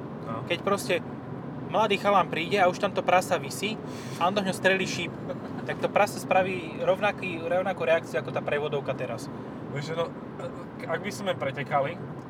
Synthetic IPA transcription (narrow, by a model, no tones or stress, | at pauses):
kɛcpɾɔscɛ | mlad̪iːxalaːmpɾiːɟɛauʃt̪amt̪ɔpɾasaʋisi | alɔnt̪ɔɦɲɔst̪ɾɛliːʃiːp | t̪ak̚t̪ɔpɾasaspɾaʋiː | ɾɔʊnakiːɾɛʊnakuɾɛak̚t͡siuʊakɔt̪aːpɾɛʋɔd̪ɔʊkat̪ɛɾas | ʋɛʒɛnɔ | aɡ̚bizmɛpɾɛcɛkali